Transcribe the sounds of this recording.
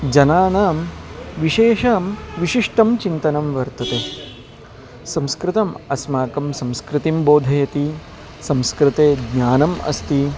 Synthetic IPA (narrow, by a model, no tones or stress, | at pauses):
d͡ʒɐnaːnaːmʋiʃeːʃaːmʋiʃiʂʈɐmt͡ʃint̪ɐnɐmʋɐɾt̪ɐt̪eː | sɐ̃mskɾɪt̪ɐmɐsmaːkɐmsɐ̃mskɾɪt̪imboːd̪ʱɐjɐt̪i | sɐ̃mskɾɪt̪eːd̪naːnɐmɐ̰st̪i